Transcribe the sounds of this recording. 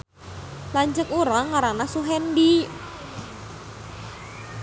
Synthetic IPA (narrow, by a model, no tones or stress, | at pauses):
laɲt͡ʃəkuɾaŋaɾanasuɦɛndi